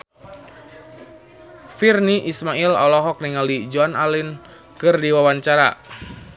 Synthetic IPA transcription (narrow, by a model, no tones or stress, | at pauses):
firniʔismailɔ̰lɔɦɔk̚niŋalid͡ʒoanalin | kɨrdiwawant͡ʃaɾa̰